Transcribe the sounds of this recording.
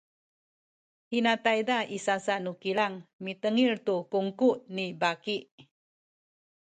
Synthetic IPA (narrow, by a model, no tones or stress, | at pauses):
hinat̪ajdaisasaʔnukilaŋmit̪əŋiɾt̪ukuŋkuʔnibakiʔ